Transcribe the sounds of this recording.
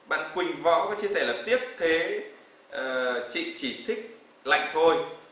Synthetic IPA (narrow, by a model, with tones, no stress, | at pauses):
ɓa̰ː˧˨nkwï˨˩ŋ̟vɔ̰˧˥kaː˨˦t͡ɕi˧əsɛː˧˩ləː˨˩p̚t̪i˦˥əp̚t̪ʰe˨˦ | ʔəː˨˩t͡ɕḭ˧˨t͡ɕi˧˩t̪ʰï˦˥k̚ | la̰˧˨jŋ̟t̪ʰo˧j